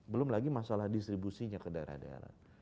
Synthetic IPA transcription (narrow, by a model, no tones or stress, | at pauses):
bəlʊmlaɡimasalahdist̪ɾibusiɲakədaɾa̰da̰ɾa̰